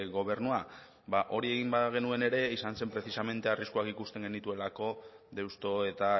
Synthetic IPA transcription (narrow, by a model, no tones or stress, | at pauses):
ɣo̞β̞e̞ɾnua | baʔo̞ɾie̞ɣ̞imbaɣe̞nue̞ne̞ɾe̞isanse̞mpɾe̞θisame̞nt̪e̞ariskuakikust̪e̞ŋɡe̞nit̪ue̞lako̞ðe̞wst̪o̞e̞t̪a